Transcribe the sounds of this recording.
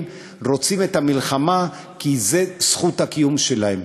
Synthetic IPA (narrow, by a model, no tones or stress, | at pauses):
m | ʁo̞t͡sime̞t̪hamilχama | kize̞sχut̪hakijumʃe̞lahem